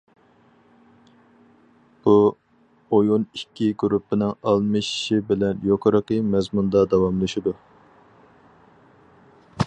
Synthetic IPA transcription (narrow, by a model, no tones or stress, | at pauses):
b̥u | ojonikʲːiɡuɾupʰːɪnɪŋɑlˠmɨʃʃibɪlɛnjoqʰəɾəqəmɛzmund̪ɑd̪ɑwɑmlˠɨʃid̪u